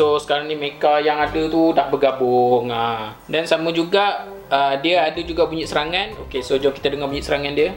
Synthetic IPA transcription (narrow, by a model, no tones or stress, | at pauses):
sosə̥kaɾaŋnimekajaŋadət̪unaʔbərɡabʊŋa | dansamə̃d͡ʒuɡaʔ | ədiəadəd͡ʒuɡaʔbuɲiʔ̪̚səɾaŋãnokesod͡ʒɔkit̪ədəŋabuɲĩʔsəɾaŋandiə